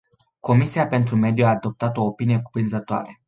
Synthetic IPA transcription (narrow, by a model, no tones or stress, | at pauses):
ko̞misiape̞nt̪ɾume̞d̪juaːd̪o̞p̚t̪at̪o̞ːpinije̞ku̥pɾinzət̪oa̰ɾe